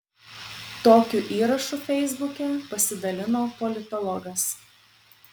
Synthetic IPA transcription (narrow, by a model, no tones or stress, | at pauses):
t̪oːkʲuʔiːɾɐʃuːfʲɛɪzbʊkʲɛpɐsʲɪd̪ɐlʲɪnoːpɔlʲɪt̪ɔlˠɔɡɐs